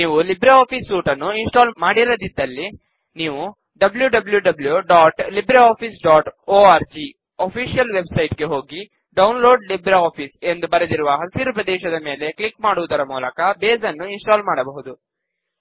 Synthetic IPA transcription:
niːʋulibɾɐoːpʰisːuːʈɐnːuinsʈaːlmaːɽiɾod̪id̪ːɐlːi | niːʋu | ɖɐbljuɖɐbljuɖɐbljuɖaːʈlibɾɐoːpʰisɖaːʈoːaːɾd͡ʒi | opʰiːʃijɐlʋe̞bsɐjʈɡe̞ɦo̞ːɡi | ɖɐwnlo̞ːɖlibɾɐoːpʰise̞nd̪ubɐɾɐd̪iɾuʋɐɦɐsiɾupɾɐd̪ɛːʃɐd̪ɐme̞ːle̞klikmaːɽuʋud̪ɐɾɐmuːlɐkɐbeːzɐnːuinsʈaːlmaːɽɐbɐɦud̪u

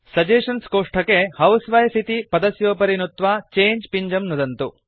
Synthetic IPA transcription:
sɐd͡ʒeːʂɐnskoːʂʈʰɐkehɐwsʋɐjsit̪ipɐd̪ɐsjoːpɐɾinut̪ʋaːt͡ʃeːɲd͡ʒpiɲd͡ʒɐmnud̪ɐnt̪u

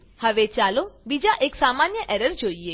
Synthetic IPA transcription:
həʋet͡ʃalobid͡ʒaʔeksamanjəʔɛɾəɾd͡ʒoie

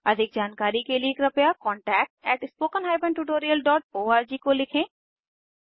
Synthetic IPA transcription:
ɐd̪ʱɪk̚d͡ʒaːnkaːɾikelikɾɐpjakɔːɳʈɛːk̚ʈ̚ɛːʈɪspoːkənɦaːɪbə̃ɳʈuʈoːɾijəlɖɔːʈ̚oːaːɾd͡ʒikolɪkʰẽː

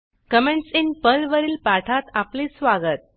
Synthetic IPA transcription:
kəmeɳʈsinpəlʋəɾiːlpaʈʰat̪apliːsʋaɡət̪̚

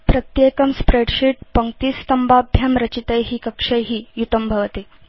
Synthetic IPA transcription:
pɾɐt̪jekɐmspɾeɽɕiːʈ̚pɐŋk̚t̪iːst̪ɐmbabʱjɐmɾɐt͡ɕit̪əjɦiːkɐkʂəjɦiːjut̪əmbʱɐʋt̪e

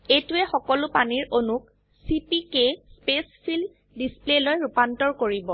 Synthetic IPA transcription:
etuɛxɔkɔlʊpaniɹonuk | sipikespespʰil | displelojɹupantɔɹkoɹibɔ

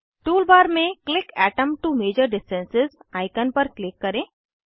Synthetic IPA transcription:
ʈuːlbaːɾmẽklɪkɛːʈə̃mʈumeːd͡ʒəɾɖɪsʈə̃nsɪzaːjkənpəɾklɪkːɐɾẽː

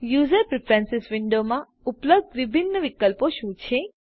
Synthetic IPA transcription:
juzəɾpɾɪfʰɾɛ̃nsɪsʋɪɳɖomã | upləb̚d̪ʋibʱinːəʋikəlpoʃũt͡ʃʰe

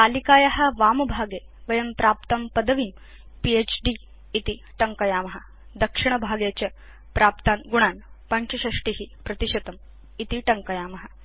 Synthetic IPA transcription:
alikaːjɐɦɐʋaːmbʱaːɡe | ʋɐjɐmpɾaːp̚t̪ɐmpɐd̪ɐʋiːm | piet͡ɕɖiː | t̪i | ʈɐŋkɐjaːmɐɦɐ | d̪ɐkʂiɳ̃ɐbʱaːɡjat͡ɕɐ | pɾaːp̚t̪anɡuɽ̃aːnpɐɲt͡ɕɐɕɐʂʈiɦipɾɐt̪iʃɐt̪ɐm | it̪iʈɐŋkɐjaːmɐɦɐ

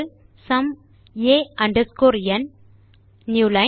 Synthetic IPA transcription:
sɐm | eːɐɳɖɐskoːɾjɐnː | julɐ

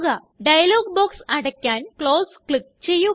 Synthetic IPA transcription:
ɣɐ | ɖɐjɐloːɡ̚boːksɐɽɐkʲːaːnkɭo̞ːskɭik̚t͡ɕe̞jːu

